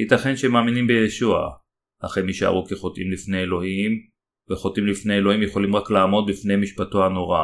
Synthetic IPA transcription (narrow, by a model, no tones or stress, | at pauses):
hit̪aχenʃemaːminimbejeʃua̰ | ha̰χejmiʃa̰ʁukeχo̞t̪ʔimlifne̞jelo̞him | veχo̞t̪imlifne̞jelo̞himjeχo̞limʁaklaːmo̞d̪̚bifne̞jmiʃpatoano̞ʁa̰